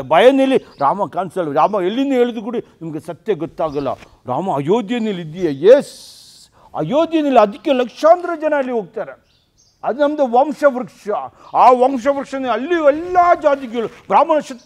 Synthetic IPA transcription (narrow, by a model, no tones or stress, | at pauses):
bʱɐjɐnɐlːiɾaːmɐkaːnsɐlɾaːmɐelːinːuɦeːɭud̪ukuːɽinɐmɐɡesɐt̪jɐɡɔt̪ːaːɡɐlːɐ̰ | ɾa̰ːmɐɐjoːd̪jɐnɐlːid̪ːijɐjes | ɐ̰joːd̪jɐnɐlːiɐd̪ikːelɐkʂaːnd̪ɾɐd͡ʒɐnɐɐlːiɦoːɡ̚t̪aːɾe | ɐd̪nɐmd̪eʋɐmʂɐʋɐɾkʂɐaːʋɐmʂ̬ɐʋɾkʂɐneɐlːiɛlːad͡ʒaːd̪ik̬ɛɡɐɭu | bɾaːmɐnɐʂɐt̪